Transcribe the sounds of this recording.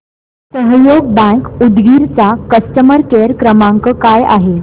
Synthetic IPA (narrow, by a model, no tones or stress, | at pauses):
səɦjoɡ̚bə̃ŋkud̪ɡiɾt͡sakəst̪əməɾkeɾkɾəmaŋkəkaja̰ɦe